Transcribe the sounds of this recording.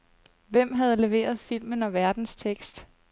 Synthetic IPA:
ʋem̰ɦæð̞ˠle̝ʋe̝̰ːɐð̞̩ˠfil̰mənɒ̽ʋæɐd̥n̩st͡sʰeɡ̥sd̥

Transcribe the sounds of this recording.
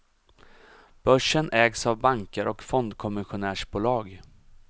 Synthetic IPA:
b̥œʂənʔɛːɡsavbaŋkəɾʔɔkfɔnd̪kʰɔmɪɧʊnæːʂbuːlɑːɡ

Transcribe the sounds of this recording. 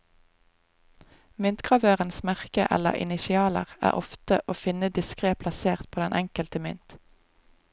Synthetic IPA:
mʏnt̪kʁɑʋøːʁənsmæʁkə̰ʔɛ̰lə̰ʁʔɪ̰nɪʃɪɑːlə̰ʁæ̰ːʁʔɔft̪əʔoːfɪnəd̪ɪskʁeːpʰlɑseːʁt̪̚pʰoːd̪ɛnʔɛŋkəlt̪əmʏ̰nt̪

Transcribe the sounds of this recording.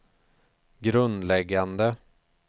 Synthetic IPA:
ɡɾɵnd̪lɛɡːand̪ə

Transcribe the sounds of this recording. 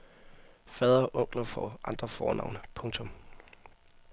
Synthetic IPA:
fɛðˠɐɒʔɔ̽ŋ̰ɡ̥lɐfɒʔɑ̈nd̥ʁɐfɒ̰ːnʔɑ̈ʊnəpʰɔ̽ŋt͡sʰɔ̽m

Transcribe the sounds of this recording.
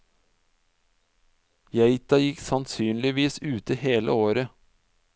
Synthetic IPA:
jæɪt̪ɑjɪksɑnsyːnlɪʋiːsʉːt̪əheːlə̰oːɾə

